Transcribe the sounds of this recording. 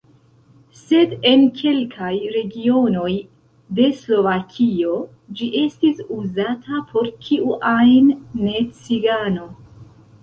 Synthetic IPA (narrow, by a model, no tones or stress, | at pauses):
se̞de̞nkʰe̞lkʰajɾe̞ɡio̞no̞j | de̞slo̞vakʰio̞ | d͡ʒiʔe̞stisuzatʰapʰo̞ɾkiʔuʔajnːe̞t͡siɡano̞